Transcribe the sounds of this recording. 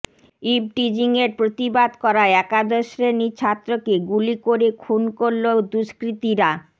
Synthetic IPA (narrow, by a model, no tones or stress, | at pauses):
ib̚ʈid͡ʑiŋeɾpɾot̪ibad̪kɔɾaɛkad̪oʃɾenit͡ɕʰat̪ːɾokeɡulikoɾekʰunkoɾlod̪uʃkɾit̪iɾa